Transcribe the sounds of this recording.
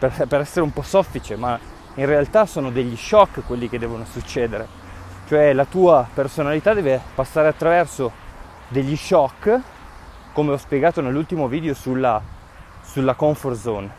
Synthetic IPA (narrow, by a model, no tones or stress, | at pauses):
perpeɾɛsːeɾeumpɔsɔfːit͡ʃema | inrealt̪asoːnod̪eʎːiʃɔkːkːwelːik̟ed̪ːɛːvonosut͡ʃːeːd̪eɾe | t͡ʃoɛlat̪uːapersonalit̪ad̪ɛːvepasːaːɾeat̪ːɾavɛrso | d̪eʎːiʃɔkː | komeɔspjeɡaːt̪onelːult̪imoviːd̪eosulːa | sulːakɔɱforzon